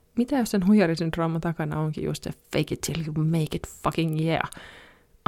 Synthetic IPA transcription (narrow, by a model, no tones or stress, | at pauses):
mit̪æjossenɦujɑɾisint̪roːmːɑt̪ɑkɑnɑ̰oŋkḭjṵst̪efeɪkɪt̪ʰːiljumeɪkɪt̪fʌkɪ̃ŋjɛ̰